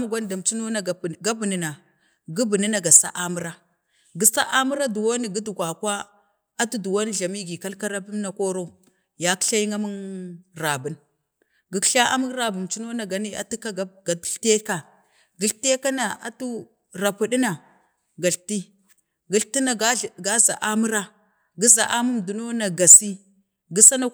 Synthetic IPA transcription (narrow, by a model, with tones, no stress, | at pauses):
a˦m˦ɡʷa˦n˦da˨mt͡ʃi˦no˦na˨ɡa˦bu˨ni˨na˨ | ɡu˦bi˨ni˦na˨ɡa˨sa̰˦ʔa˦mu˦ɾa˦ | ɡi˦sa̰˦ʔa˦mu˦ɾa˦du˨wo˦ni˨ɡi˦du˨ɡʷa˨kwa˦ | a˦tu˦du˨wa˦ni˦ɮa˨mi˦ɡi˨ka˦lka˦ɾa˦pi˦m˦na˨ko˦ɾo˦ | ja˦kɬa˦jŋa˦mu˦ŋɾa˨bu˨n | ɡi˨˦kɬa˦ʔa̰˦mu˦ŋɾa˨bu˨mt͡ʃu˦no˦na˨ɡa˨ni˦a̰˨tu˦ka˦ɡa˦ɡa˨dɬte˦ka˨ | ɡi˨˦ɬte˦ka˦na˨a̰˦tu˦ | ɾa˨pu˦ɗi˦na˨ | ɡa˨ɬti˦ | ɡi˦ɬti˦na˨˦˨ɡa˦za˨ʔa˦mu˦ɾa˦ | ɡi˦za˨ʔa˦mu˦mdu˨no˦na˨ɡa˨si˦ | ɡi˦sa˦na˦